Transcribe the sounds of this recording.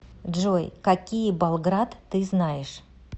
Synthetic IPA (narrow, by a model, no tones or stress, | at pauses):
d̪ʐojkɐkʲijbɐlˠɡɾat̪ːɨznajɪʂ